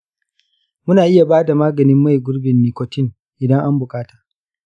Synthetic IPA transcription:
mʊ˦naː˨ʔɪ˦ja˨baː˦da˨maː˦ɡɐ˨nɪ˦mːa˦˨jɡʷʊ˦ɽbɪ˨nːiː˨kʷɔ˨tɪ˦ŋ | ʔɪ˨dɐ˦ŋʔa˦mbʊ˨kʼaː˦tḁː˨

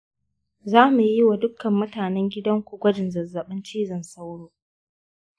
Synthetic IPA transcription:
zaː˦mu˨ji˦wa˨dʊ˦kɐ˨mːʊ˦taː˨nɛ˦ŋɡʲɪ˦dɐ˦ŋkʷu˨ɡʷɐ˦d͡ʒɪ˨nzɐ˨zːɐ˨ɓɪ˦nt͡ʃiː˦zɐ˨nsa˦wɽoː˦

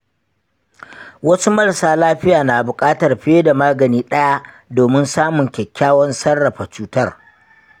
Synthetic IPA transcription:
wɐ˦su˦mɐ˦ɽsaː˨laː˦ɸɪ˦jaː˨naː˨bʊ˨kʼaː˦tɐ˨rɸeː˦da˨maː˦ɡɐ˨niː˦ɗɐ˦ja˦ | doː˨mɪ˦nsaː˦mʊ˨ŋkʲɛ˨kʲːaː˦wɔ˦nsɐ˦rːɐ˨ɸa˨t͡ʃuː˦tɐ˦r

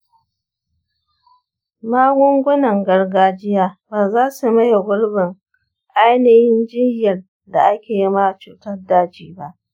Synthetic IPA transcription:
maː˦ɡʷʊ˦ŋɡʷʊ˦nɐ˨ŋɡɐ˦rɡaː˦d͡ʒɪ˦jaː˦baː˨zaː˦su˨mɐ˦ja˨ɡʷʊ˦ɽbɪ˨ŋ | ʔa˦jnɪ˦jɪ˦nd͡ʒɪ˦jɐ˨r | da˨ʔa˦kʲeː˨ji˦ma˦˨t͡ʃuː˨tɐ˦rdaː˦t͡ʃiː˨ba˦ʔ

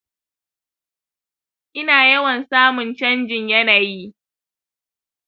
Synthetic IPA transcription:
ʔɪ˦naː˨jɐ˦wɐ˨nsaː˦mʊ˨nt͡ʃɐ˦nd͡ʒɪ˨ɲjɐ˦naː˨ji˦

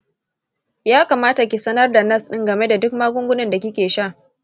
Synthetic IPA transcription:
jaː˦ka˨maː˦ta˨kʲi˨sɐ˦nɐ˦rda˨nɐ˦sɗɪ˦ŋɡɐ˨me˦da˨dʊ˦kmaː˦ɡʷʊ˦ŋɡʷʊ˦nɪ˨nda˨kʲɪ˦kʲeː˨ʃaː˦˨ʔ

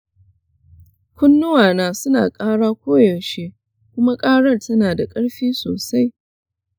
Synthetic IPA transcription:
kʷʊ˦nːʊ˦waː˨naː˨sʊ˦na̰ː˨kʼaː˦ɽaː˦kʷoː˦jɐ˨ʃe˦ | kʷʊ˦ma˦kʼaː˦ɽɐ˦˨rtɐ˦naː˨da˨kʼɐ˦ɽɸiː˦so̰ː˨sa˦j

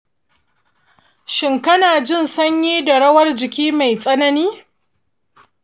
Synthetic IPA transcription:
ʃɪ˨ŋkɐ˦naː˨d͡ʒɪ˦˨nsɐ˦ɲjiː˦da˨ɽɐ˦wɐ˦rd͡ʒɪ˨kʲiː˦ma˨jsʼɐ˦nɐ˦niː˦

